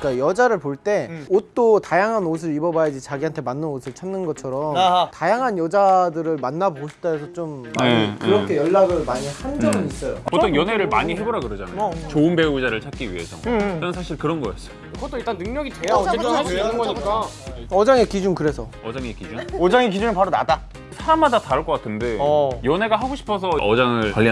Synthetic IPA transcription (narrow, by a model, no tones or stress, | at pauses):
k͈ajʌd͡ʑaɾɯɭpoɭt͈e̞ot͈otajaŋɦanos̬ʰɯɾibʌbajad͡ʑit͡ɕaɡiɦantʰe̞manːɯnosʰɯɭt͡ɕʰʌnːɯnɡʌt͡ɕʰʌɾʌmtajaŋɦanjʌd͡ʑadɯɾɯɭmanːabooɕʰi̥t͈aesʰʌt͡ɕomːaɲikɯɾʌkʰe̞jʌɭːaɡɯɭmaɲihand͡ʑʌmis͈ʌjopottʰoŋjʌne̞ɾɯɭma̰ɲiɦe̞boɾaɡɯɾʌd͡ʑana̰ot͡ɕoɯnbe̞ud͡ʑaɾɯɭt͡ɕʰak͈̚iɥḭɦe̞̰sʰʌ̰t͡ɕʌnɯnsʰaɕʰiɭkɯɾʌnɡʌɡas͈ʌ̥ | ɡʌt͈oiɭt͈annɯŋɲʌɡit͡ɕejanɯnɡʌɲik͈a | ʌd͡ʑaŋe̞kid͡ʑunkɯɾe̞sʰʌ | ʌd͡ʑaŋekid͡ʑunʌd͡ʑaŋek̬id͡ʑunɯɭpaɾona̰da | sʰaɾamːadataɾɯɭk͈ʌk͈atʰɯnde̞jʌne̞ɡaɦaɡoɕʰi̥pʰʌsʰʌʔʌd͡ʑaŋɯɭwaʎːi